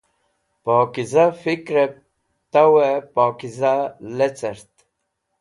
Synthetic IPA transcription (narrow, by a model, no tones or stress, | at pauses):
poːkizafikɾep̚ | t̪awepaːkizalet͡seɾt̪